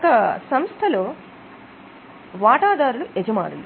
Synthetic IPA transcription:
ɐkɐsɐmst̪ʰɐloː | ʋaːʈaːd̪aːɾuluʔed͡ʒɐma̰ːɾulu

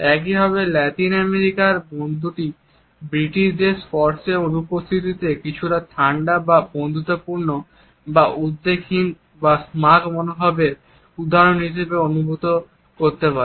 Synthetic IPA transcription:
ɛkibʱaβelɛt̪inɛmeɾikaɾbond̪ʱuʈi | bɾiʈiʃd̪eʃfɔɾseɾonupost̪ʰit̪it̪ekit͡ɕʰuʈat̪ʰaɳɖababond̪ʱut̪apuɾno | baʔud̪ːekʰːin | basmakmonobʱɔbeɾ | ud̪aɾonɦiʃebeonubʱut̪o | koɾt̪epaɾe

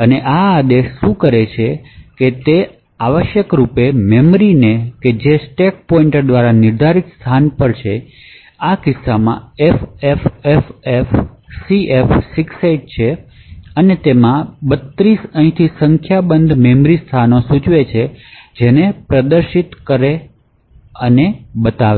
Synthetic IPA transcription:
əneʔaːd̪eʃːũkəɾet͡ʃʰeket̪e | aʋəʃjəkɾupememɾineked͡ʒesʈek̚pɔiɳʈd̪ʋaɾanɪɾd̪ʱaɾit̪st̪ʰanpəɽt͡ʃʰe | akɪsːamã̰efefefefsiʔefsɪksaiʈ̚t͡ʃʰe | ənet̪emãbət̪ɾisə̃ɦĩt̪ʰisəŋkʰjabənd̪ʱmemɾist̪ʰanosut͡ʃʋet͡ʃʰed͡ʒenepɾəd̪əɾʃit̪kəɾe | ənebət̪aʋe

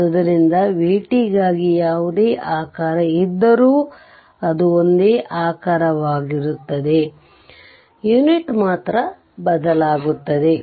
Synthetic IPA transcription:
ɐd̪ɐɾind̪ɐʋiːʈiɡaːɡijaːʋud̪eːʔaːkaːɾɐid̪ːɐɾuː | ɐd̪uo̞nd̪eːʔaːkaːɾɐʋaːɡiɾut̪ːɐd̪e̞ | juniʈmaːt̪ɾɐ | bɐd̪ɐlaːɡut̪ːɐd̪e̞

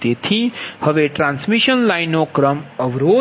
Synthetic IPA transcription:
t̪et̪ʰihəʋeʈɾãːnsmiʃənlajnokɾəməʋɾoː

